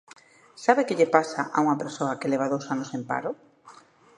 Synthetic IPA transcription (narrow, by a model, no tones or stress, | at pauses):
saβekeʎepasaʔauŋɐpeɾsoɐkelɛβ̞aðowsanosempa̰ɾʊ